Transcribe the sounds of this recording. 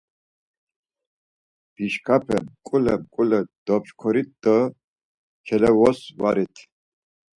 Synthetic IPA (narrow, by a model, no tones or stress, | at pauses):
b̥iʃkʰapʰɛmkʼulɛmkʼulɛd̪̥ɔpʃkʰɔɾit̪̚d̪ə | kʰɛlɛwɔswaɾit̪ʰ